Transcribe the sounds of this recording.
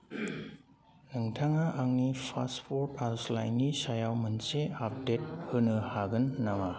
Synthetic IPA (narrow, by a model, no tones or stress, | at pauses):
nɯŋtʰaŋaʔaŋnipʰaspʰɔɾpaslajnːisajawmɯnseap̚det̚hɯnɯhaɡɯnːawa